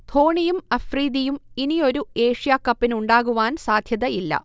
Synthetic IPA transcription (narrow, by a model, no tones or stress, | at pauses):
t̪ʰo̞ːɳijumɐfriːd̪ijuminijo̞ɾue̞ːʂijaːkːɐpːinuɳɖaːɣuʋaːnsaːd̪ʱjɐðɐilːɐ̰